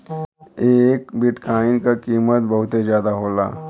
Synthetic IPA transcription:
eːkbɪʈkaːɪnkakiːmət̪̚bɐɦʊt̪ezjaːd̪aɦoːla̰ː

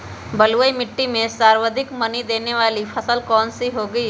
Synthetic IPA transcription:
bɐluəimɪʈːimẽsaːɾʋəd̪ʱɪkmɐnid̪eːneʋaːlipʰɐsəlkɔːnsiɦoːɡəiː

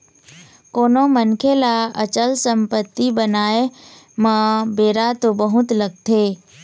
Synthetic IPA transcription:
koːnomənkʰelaə̰t͡ʃəlsəmpət̪ːibənaːe | mə̃beːɾat̪obəɦʊt̪ləɡ̚t̪ʰeː

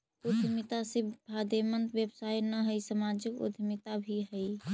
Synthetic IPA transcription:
ud̪ʱmɪt̪asebʱad̪emənt̪ʋjəbsajnəɦəisəmad͡ʒɪkʊ̰d̪ʱmɪt̪abʱiɦəi

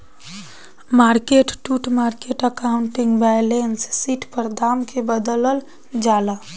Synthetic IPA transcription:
maɾkeʈʈuʈmaɾkeʈəkauɳʈiŋɡbajlensːiʈpəɾd̪amkʰebəd̪ələl | d͡ʒala

